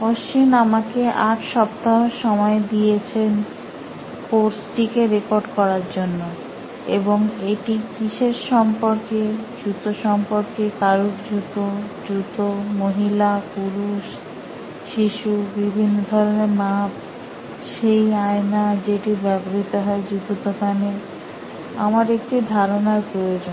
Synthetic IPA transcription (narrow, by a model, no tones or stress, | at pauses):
oʃt͡ɕinamakeʔaʈʃɔp̚t̪aɦoʃɔmɔed̪ijet͡ɕʰen | koɾsʈikeɾekoɾɖkɔɾaɾd͡ʑonːo | ḛboŋeʈikiʃeɾʃɔmpoɾked͡ʑut̪oʃɔmpoɾkekaɾukd͡ʑut̪od̪ɾut̪omoɦilapuɾuʃ | ʃiʃubibʱinːod̪ʱɔɾoneɾmap | ʃejaenad͡ʑeʈibɛboɾit̪oɦɔed͡ʑut̪ut̪okane | a̰maɾek̚ʈid̪ʱaɾonaɾpɾojod͡ʑon